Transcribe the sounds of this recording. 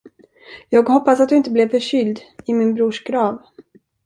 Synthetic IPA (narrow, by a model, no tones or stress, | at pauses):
jɑːɡhɔpːasat̪̚d̪ɵɪnt̪əblɛvfœʂʏld̪ɪmɪnbɾuːʂɡɾɑːv